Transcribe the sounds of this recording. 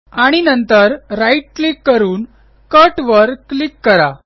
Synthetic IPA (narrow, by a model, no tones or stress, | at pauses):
aɽ̃inənt̪əɾːaiʈ̚klikːəɾuːn | kəʈʋəɾklikːəɾa